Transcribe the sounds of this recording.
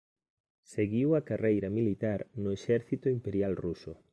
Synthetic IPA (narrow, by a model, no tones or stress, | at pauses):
seɣiwɐkarejɾɐmilit̪aɾnʊeʃɛɾθit̪ʊimpeɾjalrusʊ̰